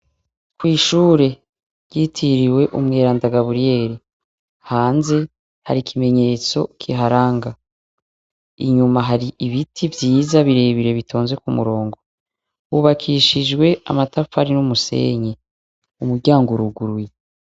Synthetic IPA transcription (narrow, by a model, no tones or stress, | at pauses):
kwiːʃuːɾe̞ | ɾɟitʰiɾiwe̞ʔumŋeːɾaːndaɡaβuɾije̞ɾi | haːnze̞ | ha̰ɾikʰime̞ɲe̞t͡so̞̰kʰiɦaɾaːŋɡa | iɲumaɦaɾiʔiβitʰivjiːzaβiɾe̞βiɾe̞βitʰo̞ːnzwe̞kumṵɾo̞ːŋɡo̞ | wuβakʰiʃid͡ʒɡwe̞a̰matafaɾinumuse̞̰ɲe | umuɾɟaːŋɡoɾuɡuɾwi